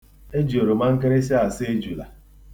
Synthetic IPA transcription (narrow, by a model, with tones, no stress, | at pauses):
e˦d͡ʒi˨o˨ɾo˨ma˦ŋ̩˦ke˦ɾe˦si˦a˨se˦d͡ʒu˨la̰˨